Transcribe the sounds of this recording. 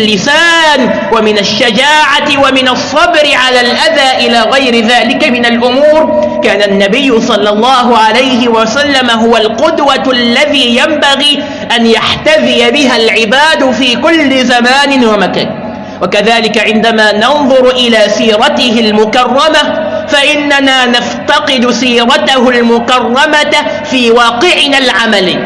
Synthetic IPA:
lːɪsaːn | wamɪnaʃːad͡ʒaːʕaɪwamɪnɑsˤːɑbɾɪʕalaːlʔaðaːʔɪlaːɣajɾɪðaːlɪkamɪnalʔʊmuːɾ | kaːnanːabɪjːʊsˤɑlːɑlˤːɑːɦʊʕalajɦɪwasalːamaɦʊwalqʊd̪walːaðiːjambaɣiː | ʔanjaħt̪aðɪjabɪɦalʕɪbaːd̪fiːkʊlːɪzamaːnɪnwamaka̰ːn | wakaðaːlɪkaʕɪnd̪amaːnɑnðˤʊɾʔɪlaːsiːɾˤɑt̪ɪɦɪlmʊkɑrˤːɑmafaʔɪnːanaːnaft̪ɑqɨd̪siːɾˤɑt̪aɦʊlmʊkɑrˤːɑma | fiːwɑːqɪʕnalʕamal

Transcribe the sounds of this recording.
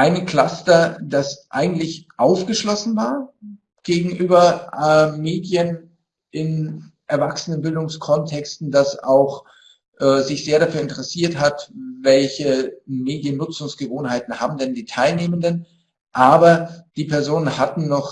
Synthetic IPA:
ʔaɪnəkl̥astɐd̥asʔa̰ɪɡŋ̩tlɪçʔaʊfɡ̥əʃlɔsn̩vaːɐ | ɡ̥eːɡŋ̩ʔyːbɐɛmeːdjən | ʔɪnʔɛɐvaksənənbɪldʊŋskʰɔntʰɛkstn̩d̥asaʊx | ʔɛːzɪçz̥eːɐɾafyːɐɪntəʁɛsiːɐthatvɛlçəmeːdjənːʊt͡sʊŋsɡ̥əvoːnhaɪtn̩ha̰ːbm̩dɛndiːtʰaɪlneːməndən | ʔaːbɐd̥iːpʰɛɐzoːnənhatn̩nɔχ

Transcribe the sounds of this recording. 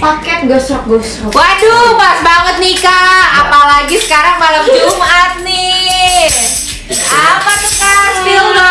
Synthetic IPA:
pakɛt̪̚ɡɔsɔk̚ɡɔsɔwadupasbaŋət̪̚nikaapalaɡisə̥kaɾaŋmalamd͡ʒumat̪̚ni | apakəkast̪id

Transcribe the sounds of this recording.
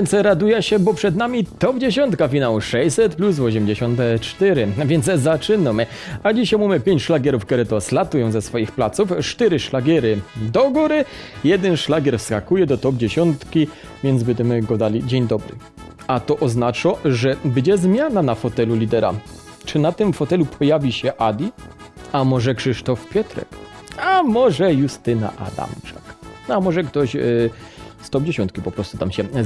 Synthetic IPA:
vjɛnsɾad̪ujɛɕɛbɔpʂɛd̪namʲit̪ɔbd͡ʑeɕɔnt̪kafʲinawuʂɛjsɛt̪plus̬vɔɕ̬ɛmd͡ʑeɕɔnt̪ɛt͡ʂt̪ɛɾɘvʲjɛnd̪szat͡ʂɘnɔm | ad͡ʑiɕajmumɘpʲjeɲt͡ɕʂlaɡʲjɛɾufk̪ɛɾɛt̪ɔslat̪ujɔ̃w̃zɛsfɔjixplat̪suft͡ʂt̪ɛɾɘʂlaɡʲɛɾɘd̪ɔɡuɾɘjɛd̪ɛnʂlaɡʲɛɾfskakujɛd̪ɔt̪ɔb̚d͡ʑeɕɔnt̪kʲi | vʲjɛnd̪zbɛɲd͡ʑɛmɘɡɔd̪alʲid͡ʑeɲd̪ɔbɾɘ̰ | at̪ɔʔɔznat͡ʂɔʐɛbɘd͡ʑɛzmʲjananafɔt̪ɛlulʲid̪ɛɾa̰ | t͡ʂɘnat̪ɘmfɔt̪ɛlupʰɔjavʲiɕɛʔad̪ʲiamɔʐɛkʂɘʂt̪ɔfpʲjɛt̪ɾɛ̰kamɔʐɛjust̪ɘna̰ʔa̰d̪a̰mt͡ʂḁknamɔʐɛkt̪ɔɕ | st̪ɔbd͡ʑeɕɔ̃nt̪kʲipɔpɾɔst̪ut̪amɕɛ

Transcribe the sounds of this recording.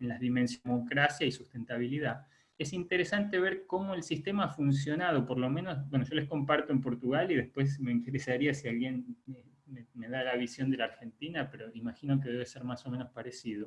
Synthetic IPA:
enlaðimensmokɾasjaisust̪e̞nt̪aβiliða | esint̪eɾesant̪eβeɾko̞mo̞elsist̪e̞maafuns̬jo̞nað̞o̞poɾlo̞mẽno̞sbwe̞noʒo̞le̞hko̞mpaɾt̪oempo̞ɾt̪uɣaliðe̞hpwe̞s̬me̞int̪eɾesaɾiasialɣjene | meme̞ðalaβisjo̞nd̪elaːɾxe̞nt̪inapeɾo̞imaxino̞k̬eðe̞βeseɾmaso̞meno̞spaɾesið̞o

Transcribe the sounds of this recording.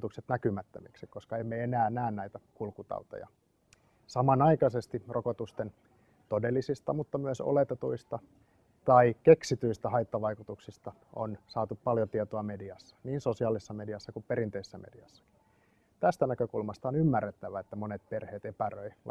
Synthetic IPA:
t̪ukset̪nækymæt̪ːømiksikko̞skɑeimːeenæːnæːnnæit̪ækulkut̪ɑ̰ut̪o̰jɑ̰ | sɑmɑnɑikɑsest̪irokot̪ust̪en | t̪odelːisist̪ɑmut̪ːɑmyæso̰let̪et̪uist̪ɑ | t̪ɑikeksit̪yist̪æhɑit̪ːɑʋɑikut̪uksist̪ɑ | o̰nsɑːt̪uppɑljot̪iet̪oɑmediɑsːɑ̥niːnsosiɑːlisːɑmediɑsːɑkuppeɾint̪eisːæmediɑsːɑ̥ki̥ | t̪æst̪ænækøkulmɑst̪ɑonymːærːet̪ːæʋæet̪ːæmonet̪̚perheːt̪epærøi

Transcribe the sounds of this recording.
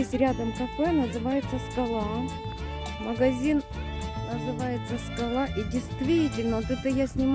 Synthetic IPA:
esʲtʲɾʲad̪əmt̪ɐfəjnəzɨvajɪt̪səskɐlˠa | məɡɐzʲin | nəzɨvajɪt̪səskɐlˠaʔidʲɪjst̪vʲitʲɪlʲnəot̪ɛt̪əjasʲnʲɪm

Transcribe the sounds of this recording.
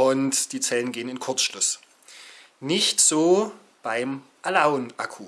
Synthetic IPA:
ʔʊntd̥iːt͡sɛlənɡeːənɪnkʰʊɐt͡sʃlʊs | nɪçtz̥oː | b̥aɪmʔalaʊnʔakʰuː

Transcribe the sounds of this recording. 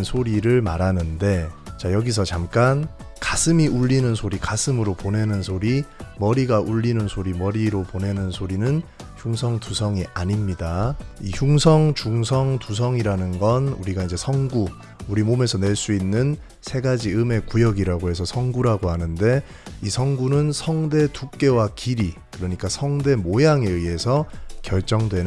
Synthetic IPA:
nsʰoɾiɾɯɭmaɾɦanɯnde̞t͡ɕajʌɡis̬ʰʌt͡ɕamk͈an | kasʰɯmiuʎːinɯnsʰoɾikasʰɯmɯɾopone̞nɯnsʰoɾimʌɾiɡaʔuʎːinɯnsʰoɾimʌɾiɾopone̞nɯnsʰoɾinɯnçjuŋsʰʌŋtusʰʌŋiʔaɲimɲidaiçjuŋsʰʌŋt͡ɕuŋs̬ʰʌŋtus̬ʰʌŋiɾanɯnɡʌnuɾiɡaind͡ʑe̞sʰʌŋɡu | uɾimome̞sʰʌne̞ɭs͈uinːɯn | sʰe̞ɡad͡ʑiɯme̞kujʌɡiɾaɡoɦe̞sʰʌsʰʌŋɡuɾaɡoɦhanɯnde̞ | isʰʌŋɡunɯnsʰʌŋde̞tuk̚k͈e̞wakiɾikɯɾʌɲik͈asʰʌŋde̞mojaŋe̞ɯe̞sʰʌkjʌɭt͡ɕ͈ʌŋdwe̞nɯ

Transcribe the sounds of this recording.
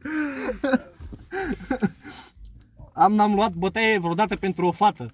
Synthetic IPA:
amnamluat̪̚bot̪eɡevɾod̪at̪əpent̪ɾuofat̪ə

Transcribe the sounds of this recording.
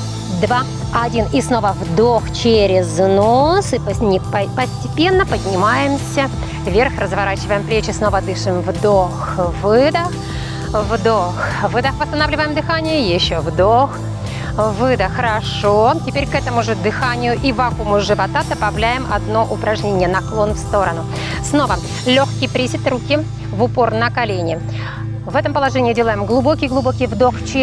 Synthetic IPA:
d̪va | ɐdʲinisno̞vəvd̪oxt͡ɕeɾʲɪznosɨənʲɪppəsʲtʲɪpʲe̞nːəpədʲnʲɪmajɪmsʲə | vʲerxrəzvɐɾat͡ɕɪvəjɪmplʲet͡ɕɪsno̞vəd̪ɨʂɨmvd̪oxvɨd̪əx | vd̪oxvɨd̪əxpəst̪ɐnavlʲɪvəjɪmd̪ɨxanʲɪjʊjɪɕːovd̪ox | vɨd̪əxəɾɐʂotʲɪpʲeɾʲkɛt̪əmʊʐɨd̪ɨxanʲɪjʊʔivɐkumʊʐɨvɐt̪at̪əpɐvlʲæjɪmɐ̰d̪no̞ʔʊpɾɐʐnʲenʲɪjənɐklˠo̞nfst̪o̞ɾənʊ | sno̞və | lʲoxkʲɪjpɾʲisʲɪt̪rukʲɪ | vʊpo̞rnəkɐlʲenʲɪ | vɛt̪əmpəlˠɐʐɛnʲɪːdʲelˠəjɪmɡlˠʊbo̞kʲɪjɡlˠʊbo̞kʲɪjvd̪o̞xt͡ɕɪ

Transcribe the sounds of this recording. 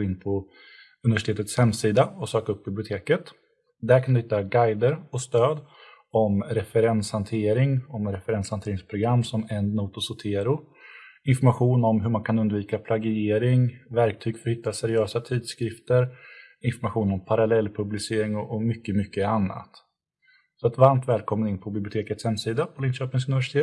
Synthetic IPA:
ɡoɪnːpʰɔ | ɵnɪvæʂɪt̪ʰeːt̪ət̪shɛmːsiːd̪aɔsøːkaɵp̚ːbɪblɪʊt̪ʰeːkət̪ | d̪æɾkʰand̪ɵhɪt̪ːaɡajd̪əɾɔst̪øːd̪ | ɔmɾɛfɛɾɛnshant̪ʰeːɾɪŋɔmɾɛfɛɾɛnshant̪ʰeːɾɪŋspʰɾʊɡɾamːsɔmɛnːuːt̪ʊsʊt̪ʰeːɾʊ | ɪnfɔɾmaɧuːnɔmɦɵɾmankʰanɵnd̪viːkapʰlaɡɪeːɾɪŋvæɾk̚t̪ʰyːɡ̥fœɾhɪt̪ːasɛɾɪøːsat̪ʰiːd̪skɾɪft̪əɾ | ɪnfɔɾmaɧuːnɔmpʰaɾalɛlːpʰɵblɪseːɾɪŋɔʔɔmʏkːəmʏkːəanːa̰t̪ | sɔat̪vaɾmt̪vɛːlkʰɔmːənɪnpʰɔbɪblɪʊt̪ʰeːkət̪shɛmsiːd̪apʰɔlɪnɕøːpɪŋsɵnɪvæʂɪ̥t̪ʰeːt̪

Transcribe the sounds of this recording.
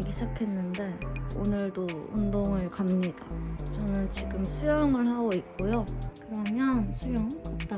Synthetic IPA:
ɡid͡ʑakʰe̞nːɯnde̞onɯɭdoṵndoŋɯɭkamɲidat͡ɕʌnɯnt͡ɕiɡɯmsʰujʌŋɯɭhaɡoik̚k͈ojokɯɾʌmjʌnsʰujʌŋk͈ap̚t͈a

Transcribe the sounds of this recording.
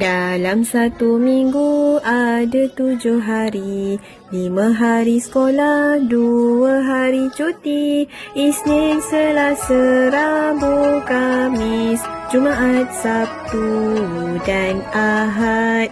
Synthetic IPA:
dalamsat̪umiŋɡuadat̪ud͡ʒoɦaɾi | limãɦaɾisə̥kolahduaɦaɾit͡ʃut̪iisninsəlasaɾabukamisd͡ʒumaʔat̪̚sap̚t̪uudanaɦat̪̚

